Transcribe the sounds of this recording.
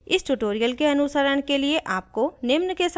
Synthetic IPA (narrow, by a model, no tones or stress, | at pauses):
ɪsʈuʈoːɾijəlkeɐnʊsəɾəɽ̃kelieʔaːp̚konɪmnkes